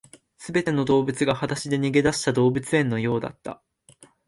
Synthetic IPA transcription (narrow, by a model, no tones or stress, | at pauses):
sɨbe̞t̪e̞no̞d̪o̞ːbɯ̟t͡sɨɡahat̪aɕid̪e̞ɲ̟iɡe̞d̪aɕi̥t̪ad̪o̞ːbɯ̟t͡sɨẽ̞nːo̞jo̞ːd̪a̰t̪ːa̰